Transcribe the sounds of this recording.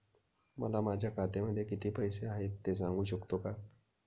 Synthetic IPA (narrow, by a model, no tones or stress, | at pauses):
mə̰lamad͡ʑʱjakʰat̪eməd̪ʱjekit̪iːpəjseaɦet̪ːes̬ãŋɡuːɕəkt̪oka